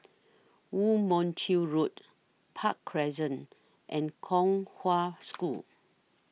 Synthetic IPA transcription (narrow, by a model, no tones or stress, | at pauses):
wumɔ̃ntʰiɹut | pʰakʰːɹɛzə̃n | ʔɛ̃nkʰɔ̃ŋhwasku